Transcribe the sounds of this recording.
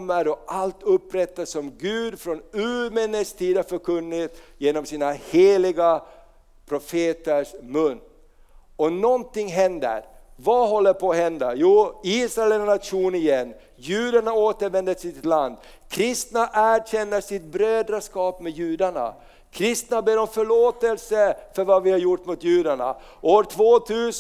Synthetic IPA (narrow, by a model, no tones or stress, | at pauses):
mːəɾɔʔalt̪ɵpːɾɛt̪ːasɔmɡʉ̟ːd̪fɾɔnʉːmɛnəst̪ʰiːd̪hafœɾkʰɵnːɪt̪jeːnɔmsiːnaheːlɪɡa | pʰɾʊfeːt̪əʂmɵnː | ɔnɔnt̪ɪŋːɦɛnd̪ə̰ɾvaɦɔlːəɾpʰɔːhɛnd̪ajuːiːsɾaɛlɛnnat̪ʂuːnɪjɛnː | jʉ̟ːd̪aɳaoːt̪əɾvɛnd̪ət̪sɪt̪land̪ | kʰɾɪst̪naʔæɕɛnːəʂɪt̪̚bɾøːd̪ɾaʂkɑːpmɛjʉːd̪aɳa̰ | kʰɾɪst̪nabeːɾɔmfœɭoːt̪əlsəfœɾvavɪhaɾjʊʈːmʊt̪jʉːd̪aɳa̰ | oːɾʈʰvoːt̪ʰʉːs